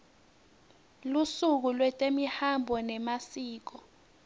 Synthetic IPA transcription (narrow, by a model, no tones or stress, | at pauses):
lusuk̬ulwɛtʼemihambʱɔnɛmasiːk̬ɔ